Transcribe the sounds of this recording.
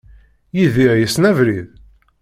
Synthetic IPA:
jiðiʁjəsnævɾið

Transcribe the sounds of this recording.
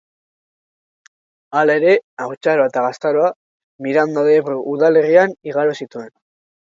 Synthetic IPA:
alae̞ɾe̞awt͡ʃaɾoae̞t̪aɣast̪aɾo̞a | miɾand̪aðeβɾoʔuðale̞rianiɣaɾosit̪ue̞n

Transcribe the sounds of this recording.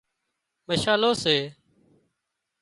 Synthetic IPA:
məʃaːloːseː

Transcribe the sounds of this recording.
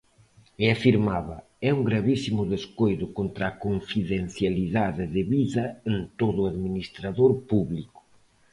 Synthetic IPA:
ɪafiɾmaβɐ | ɛuŋɡɾaβisimʊðeskojðʊkont̪ɾakoɱfiðen̟θjaliðaðɪðɪβiðɐent̪oðʊaðminist̪ɾaðoɾpuβlikʊ̥

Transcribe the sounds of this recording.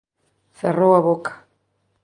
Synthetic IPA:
serowaβokḁ

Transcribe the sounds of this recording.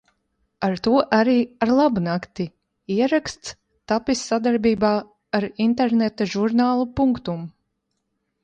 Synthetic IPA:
aɾt̪uɔʔaɾiːaɾlˠabunakt̪i | iɛɾakst̪s | t̪apisːad̪aɾbiːbaː | aɾint̪eɾnet̪aʒuɾnaːlˠupuŋkt̪um

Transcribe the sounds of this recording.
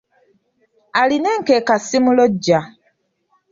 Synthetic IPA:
alineŋkeːkasimuloɟːa

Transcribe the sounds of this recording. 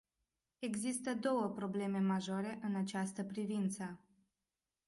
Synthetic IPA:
e̞ɡzist̪əd̪o̞wəpɾo̞ble̞me̞maʒo̞ɾe̞ʔɨnat͡ʃast̪əpɾivint̪sə

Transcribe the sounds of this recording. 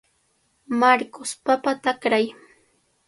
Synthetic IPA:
maɾkospapat̪akɾaj

